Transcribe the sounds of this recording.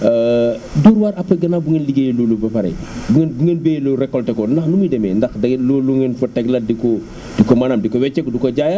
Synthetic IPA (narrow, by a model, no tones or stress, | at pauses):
duɾwaːɾɐpːɐɡɐnabuŋenliɡejlulubɐpɐɾɛ̰buŋenbuŋɡenbeːjluɾɛkːɔltɛkɔndɐxnumidɛmɛ̰ndɐxdɐluluŋenfɐtɛɡlɐdikɔ | dikɔmanamdikɔwɛt͡ʃːɛkdukoɟaːja